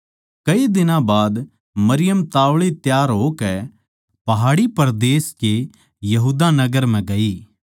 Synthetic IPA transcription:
kɐid̪ɪnãbaːd̪ | mɐɾɪjəmt̪aːʋɭit̪jaːɾɦokɛ | pɐɦaːɽipɐɾd̪eːske | jɐɦuːd̪anɐɡəɾm̤ɛ̃ɡɐiː

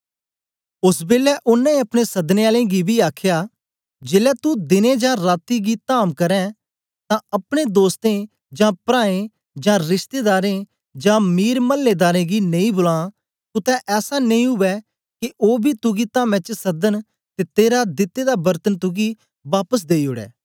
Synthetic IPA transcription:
ʊsbeːlɛːʔʊnːãːĩːɐpɽ̃esəd̪neːaːlẽːɡibʱiːaːkʰjaː | d͡ʒeːlɛːt̪ud̪ɪnẽːd͡ʒãːɾaːt̪iːɡiːt̪aːmkəɾɛ̃ː | t̪ãəpɽ̃eːd̪oːst̪ẽː | d͡ʒãːpɾaːẽ | d͡ʒãːɾɪʃt̪eːd̪aːɾẽː | d͡ʒãːmiːɾməlːeːd̪aːɾẽːɡiːnɐ̃ĩːbʊlãː | t̪ʊt̪ɛ̃ʔɛːsanə̃ĩːɦʊʋɛː | kɪʔoːbʱiːt̪ʊɡiːt̪aːmɛ̃ːt͡ʃsəd̪ən | t̪eːt̪eːɾad̪ɪt̪eːd̪aːbəɾt̪ənt̪ʊɡiː | ʋaːpəs̬d̪eːiʊɽɛ̰ː

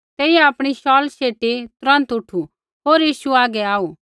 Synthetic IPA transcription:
t̪ɛːiɛaːpɽ̃iʃɔːlseːʈit̪ʊɾɐ̃nt̪ʊʈʰu | ɦoːɾjiːʃuaːɡɛaːu

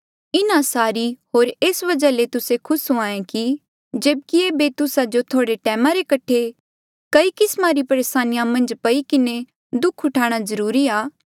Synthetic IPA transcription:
ɪnasaːɾiɦoːɾeːsʋɐd͡ʒalet̪ʊsekʰʊsõãːẽki | d͡ʒeːb̚kiebet̪ʊsad͡ʒot̪ʰoːɽeʈɛːmãɾekɐʈʰe | kɐikɪsmaɾipɐɾeːsaːnɪjamɐ̃nd͡ʒpɐikɪne | d̪ʊkʰɦʊʈʰaːɽ̃azɐɾuːɾiaː

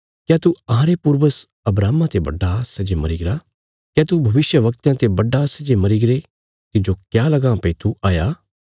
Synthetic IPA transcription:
kjaːt̪uɐɦãɾepuɾʋəs | ɐbɾaːmãt̪ebɐ̰ɖasɐd͡ʒemɐɾiːɡɾa | kjaːt̪ubʱɐʋɪʃjəʋɐk̚t̪jãt̪ebɐɖasɐd͡ʒemɐɾiɡɾe | t̪ɪd͡ʒokjaːlɐɡãpɐit̪ʰuʔaːjaː

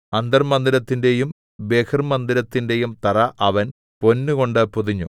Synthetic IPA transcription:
ɐnd̪ɐrmɐnd̪iɾɐt̪ːinde̞jum | beːkʰɐrmɐnd̪iɾɐt̪ːinde̞jumt̪ɐrɐʔɐʋɐn | po̞nːuko̞ɳɖɨpuðiɲːu

